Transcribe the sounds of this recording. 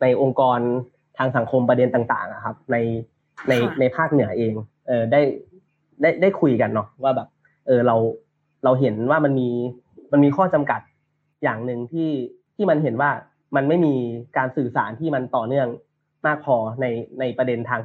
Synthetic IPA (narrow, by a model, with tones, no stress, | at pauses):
na˧jʔo˧ŋkɔː˧n | t̪ʰaː˧ŋsa˨˩˦ŋkʰo˧mpɾa˧de˧nt̪aː˨˩ŋt̪a̰ː˨˩ŋʔa̰˨˩kʰa˦˥p̚na˧j | na˧jna˧jpʰaː˥˩k̚nɯ˨˩˦ɐʔeː˧ŋ | ʔɤː˨˩da˥˩j | da˥˩jda˥˩jkʰu˧jka˧nːɔ˦˥waː˥˩bɛː˨˩p̚ | ʔɤː˧ɾa˧w | ɾa˧wɦe˩˦nwaː˥˩ma˧nmiː˧ | ma˧nmiː˧kʰɔː˥˩t͡ɕa˧mka˨˩t̪̚ | jaː˨˩ŋnɯ˨˧ŋt̪ʰiː˥˩ | t̪ʰiː˥˩ma˧nɦe˩˦nwaː˥˩ | ma˧nma˥˩jmiː˧kaː˧nsɯː˨˩sa̰ː˩˦nt̪ʰiː˥˩ma˧nt̪ɔː˨˩nɯ˥˩əŋ | maː˥˩k̚pʰɔː˧na˧jna˧jpɾa˧de˧nt̪ʰaː˧ŋ